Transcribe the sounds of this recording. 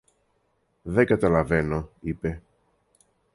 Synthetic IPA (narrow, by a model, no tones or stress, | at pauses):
ðeɡɐt̪ɐlɐvenoipe̞